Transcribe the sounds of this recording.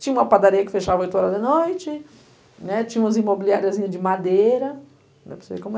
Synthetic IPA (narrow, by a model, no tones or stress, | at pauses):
t͡ʃĩɲɐũmɐpad̪aɾijɐkɪ̥feʃavɐojt̪ʊɔɾɐd̪ɐnojt͡ʃɪ | nɛt͡ʃĩɲɐũmɐzimobiliaɾiɐzĩɲɐd͡ʒɪmad̪ejɾɐ | nɛ̰pɾesizḛkõmʊ